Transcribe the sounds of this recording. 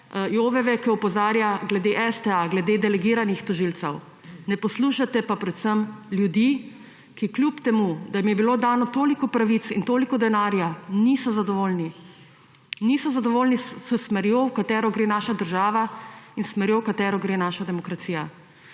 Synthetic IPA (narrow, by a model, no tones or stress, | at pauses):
joːʋɛʋɛkiɔpɔzaːɾjaɡlɛd̪eʔɛst̪ɛaɡlɛd̪eːd̪ɛlɛɡiːɾanixt̪ɔʒilt̪sɛw | nɛpɔsluːʃat̪ɛpapɾɛt̪səmljud̪i | kikljupt̪ɛmud̪ajimjɛbilod̪aːnɔt̪oːlikɔpɾaʋit̪sint̪oːlikɔd̪ɛnaːɾjanisɔzad̪ɔʋoːlni | nisɔzad̪ɔʋoːlnisəsmɛɾjɔwkat̪ɛːɾɔɡɾeːnaːʃad̪əɾʒaːʋainsmɛɾjɔwkat̪ɛːɾɔɡɾeːnaːʃad̪ɛmɔkɾat̪siːja